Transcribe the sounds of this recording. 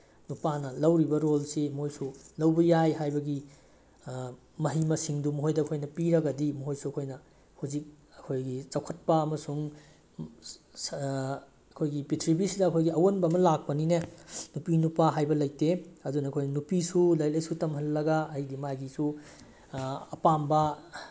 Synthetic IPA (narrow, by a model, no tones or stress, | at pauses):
nupanɐlɐwɾibɐɾolsimojsulɐwbɐjajɦajbɐɡi | mɐɦimɐsiŋdumɐɦojdɐɐkʰojnɐpiɾɐɡɐdimɐɦojsuɐkʰojnɐ | huzik̚ | ɐkʰojɡit͡ʃɐwkʰɐt̚pɐːmɐsuŋ | ɐkʰojɡipitʰɾibisidɐɐkʰojɡiɐwonbɐːmɐlak̚pɐninenupinupaɦajbɐlɐjteɐdunɐɐkʰojnɐnupisulɐjlɐjsutɐmhɦɐnːɐɡaːjdimajɡisu | ɐpambɐ